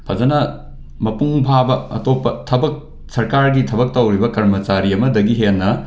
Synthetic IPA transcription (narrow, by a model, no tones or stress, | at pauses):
pʰɐd͡ʒɐnɐ | mɐpuŋbʱabɐɐ̰topːɐtʰɐbɐk̚ | sɐɾkaɾɡitʰɐbɐk̚tɐwɾibɐkɐɾmɐt͡ʃaɾiɐmɐdɐɡiɦenːɐ